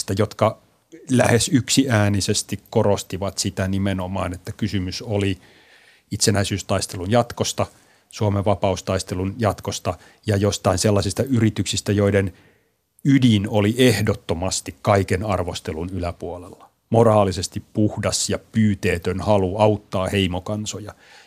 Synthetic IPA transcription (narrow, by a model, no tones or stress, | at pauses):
st̪æjot̪kɑ | læhesyksiæːnisest̪ikkorost̪iʋɑt̪sit̪ænimenomɑːnet̪ːækysymysoli | it̪senæisyːst̪ɑist̪elunjɑt̪kost̪ɑ | suomeʋɑpɑust̪ɑist̪elunjɑt̪kost̪ɑ | jɑjost̪ɑinselːɑsist̪ɑyrit̪yksist̪æjoiden | ydinoliʔehdot̪ːomɑst̪ikkɑikenɑrʋost̪elunylæpuolelːɑ̥ | morɑːlisest̪ippuhdɑsjɑpyːt̪eːt̪ønhɑluɑut̪ːɑːheimokɑnsojɑ